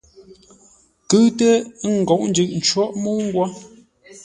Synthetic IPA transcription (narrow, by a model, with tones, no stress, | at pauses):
kʉ˦tə˦ŋ̩˨ɡɔ˨ʔn̩˦d͡ʒʉ˦˨ʔ̚n̩˨t͡ʃwɔ˦ʔmu˦ŋ̩˦ɡwa˦